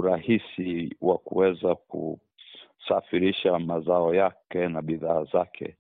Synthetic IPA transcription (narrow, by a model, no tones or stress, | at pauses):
uɾahisiwakṵwɛzakṵ | safiɾiʃamazaɔjakɛnaɓiðaːzakʰɛ̰